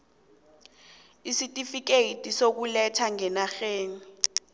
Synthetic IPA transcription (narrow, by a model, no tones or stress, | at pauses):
isitʼifik̬eitʼisok̬ulɛtʰaŋɛnaxeːni